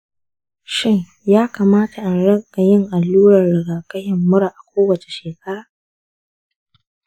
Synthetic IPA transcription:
ʃɪ˦ŋ | jaː˦kaː˨maː˦ta˨ʔa˨nɽɐ˦kʼa˨jɪ˦ŋʔa˨lːuː˦ɽɐ˨rːɐ˨ɡaː˨kɐ˦hɪ˨mːʊ˦ɽa˨ʔa˨kʷoː˦wɐ˨t͡ʃe̥˨ʃeː˨ka˦ɾ

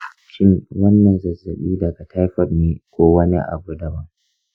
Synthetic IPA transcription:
ʃɪ˦ŋwɐ˦nːɐ˨nzɐ˨zːɐ˨ɓiː˦dɐ˨ɡa˨tʰa˦jɸɐ˦rneː˦kʷoː˦wɐ˦nḭ˦ʔa̰˨bu˦dɐ˦wɐ˦ŋ

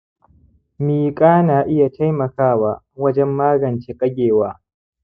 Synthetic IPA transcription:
miː˨kʼaː˦naː˨ʔɪ˦ja˨tʰa˦jmɐ˨kaː˦˨wa˨ | wɐ˦d͡ʒɛ˦mːaː˦ɡɐ˨nt͡ʃeː˦kʼɐ˦ɡʲeː˨waː˦

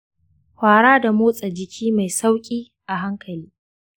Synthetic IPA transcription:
hʷaː˨ɽaː˦da˨moː˦sʼɐ˨d͡ʒɪ˨kʲʰiː˦ma˨jsa˦wkʲʼiː˦ | ʔa˨ɦa˦ŋkʰɐ˨liː˦

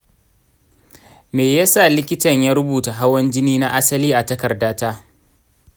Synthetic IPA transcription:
meː˨ja˦sa˦˨lɪ˦kʲɪ˦tɐ˨ɲjaː˦ɾʊ˦buː˨ta˨ɦa˦wɐ˦nd͡ʒɪ˦niː˦na˦ʔa˦sɐ˦liː˦ʔa˨tɐ˦kɐ˨rdaː˦taː˦

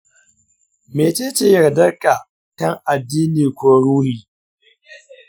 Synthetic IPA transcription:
meː˨t͡ʃe˦t͡ʃe˨jɐ˨ɾdɐ˦rka˨ | kɐ˦ŋʔa˨dːiː˦niː˨kʷoː˦ɾuː˦hiː˨

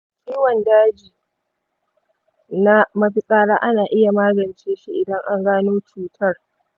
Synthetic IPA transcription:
kʲʼiː˦wɐ˨ndaː˦d͡ʒiː˨ | na˦mɐ˦ɸɪ˦kʼaː˦ɽaː˦ʔa˦naː˨ʔɪ˦ja˨maː˦ɡɐ˨nt͡ʃeː˦ʃi˦ʔɪ˨dɐ˦ŋʔa˦ŋɡaː˦noː˦t͡ʃuː˦tʰɐ˦r

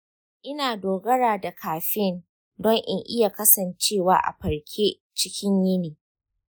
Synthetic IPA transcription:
ʔɪ˦naː˨doː˨ɡɐ˦ɾaː˨da˨kʰaː˨ɸɪ˦n | dɔ˦ŋʔɪ˨ŋʔɪ˦ja˨kɐ˦sɐ˨nt͡ʃeː˦˨wa̰ː˦ʔa̰˨ɸɐ˨ɾkʲʰeː˦ | t͡ʃɪ˦kʲɪ˦ɲjɪ˦niː˨

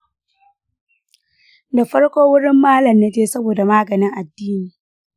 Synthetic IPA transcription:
da˨ɸɐ˦ɽkʷoː˦wʊ˦ɽɪ˦mːaː˦lɐ˨mnɐ˦d͡ʒeː˦sɐ˦boː˨da˨maː˦ɡɐ˨nɪ˦ŋʔa˨dːiː˦niː˨

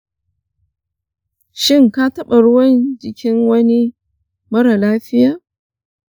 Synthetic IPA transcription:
ʃɪ˦ŋka˦tɐ˦ɓa˨ɽʊ˦wɐ˦nd͡ʒɪ˨kʲʰɪ˦ŋwɐ˦ni˦ | mɐ˦ɽa˨laː˦ɸɪ˦jaː˨

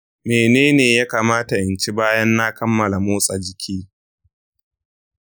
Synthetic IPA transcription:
meː˨neː˦neː˨jaː˦kaː˨maː˦ta˨ʔɪ˨nt͡ʃi˦baː˦jɐ˦nːa˦kɐ˦mːɐ˨la˨moː˦sʼa˨d͡ʒɪ˨kʲʰiː˦

